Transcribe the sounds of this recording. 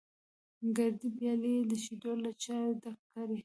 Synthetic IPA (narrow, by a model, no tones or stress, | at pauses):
ɡaɾd̪ipjɑled̪əʃid̪oɾlat͡ʃaɾd̪axkaɾe